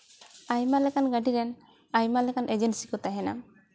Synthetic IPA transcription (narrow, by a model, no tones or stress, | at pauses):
ajmalɛkanɡaɖiɾɛn | ajmalɛkanʔed͡ʒensikɔt̪aɦɛna̰m